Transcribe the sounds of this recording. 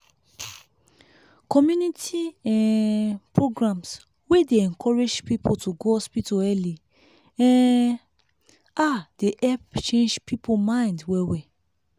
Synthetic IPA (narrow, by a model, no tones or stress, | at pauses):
kɔmjunitʰiɛ̃pɹoɡɹãms | wedeɛ̃nkʰɔɹed͡ʒpipʰotʰuɡoɔspitoɛli | ɛ̃ | adeʔɛpt͡ʃẽnd͡ʒpʰipʰomãj̃ndwɛwɛ